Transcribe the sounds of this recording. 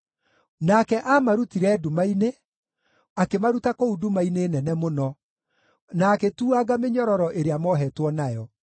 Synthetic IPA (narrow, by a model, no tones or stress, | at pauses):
nakɛʔamaɾutiɾɛːdumaine | akemaɾutakoudumaineːnɛnɛmonɔ | naːketuaɣameɲɔɾɔɾɔʔeɾeamɔɦɛtwɔnajɔ